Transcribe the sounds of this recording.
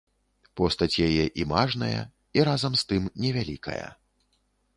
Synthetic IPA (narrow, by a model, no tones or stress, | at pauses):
pɔst̪ɐt͡sʲjajɛʔimaʐnɐjɐ̰ | iɾazɐmst̪ɨmnʲɛvʲalʲikʰɐ̰jɐ̰